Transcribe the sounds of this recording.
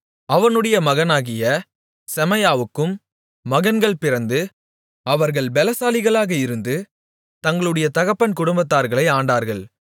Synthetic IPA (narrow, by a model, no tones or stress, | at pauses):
ɐʋɐnɯɽɐjɐmɐɣɐnaːɣɪjɐ | sɛmɐjaːʋɯkːɯmː | ɐɣɐnɡɐɭpɪɾɐnd̪ɯ | ɐʋɐɾɣɐɭbɛlɐsaːlɪɣɐɭaːɣɐɪɾɯnd̪ɯ | t̪ɐŋɡɐɭɯɽɐjɐt̪ɐɣɐpːɐnkʊɽʊmbɐt̪ːaːɾɣɐɭɐɪaːɳɖaːɾɣɐɭ